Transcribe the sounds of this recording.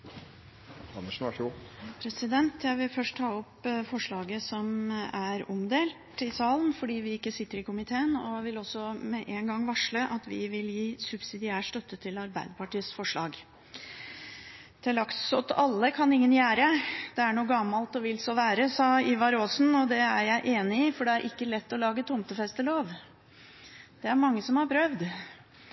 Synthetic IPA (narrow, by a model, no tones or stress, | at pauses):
ɑnəʂ | pʰɾɛsɪd̪ɛnt̪jæɪʋɪlfœʂʈt̪ʰɑːɔpfɔʂɭɑːɡəsɔmæɾɔmd̪eːlt̪ɪsɑːlnfɔɖiːʋɪɪkːəsɪt̪ːəɾɪkʊmɪt̪ʰeːənɔʋɪlɔsːɔmɛʔeːŋɡɑŋːʋɑʂləʔɑt̪ʋɪʋɪljiːsʉbsɪd̪ɪæːʂt̪œt̪ːət̪ʰɪlɑɾbæɪd̪əpɑʈiːəsfɔʂɭɑːɡ | t̪ʰɪlɑksɔt̪ɑlːəkʰɑnɪŋːənjæːɾəd̪̥ɛæɳuːəɡɑmːɑlt̪ɔʋɪlsɔʋæːɾəsɑːɪʋɑɾoːsnɔd̪ɛæɾjæɪʔeːnɪɪfɔɖɛæɾʔɪkːəlɛt̪ːɔlɑːɡət̪ʰʊmt̪əfɛst̪əloːʋ | d̪̥ɛæɾmɑŋːəsɔmhɑɾpʰɾœʋd̪